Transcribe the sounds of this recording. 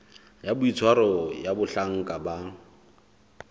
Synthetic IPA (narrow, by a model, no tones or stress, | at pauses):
jabʊit͡sʰwaɾɔjabʊɬaŋ̩kʼaba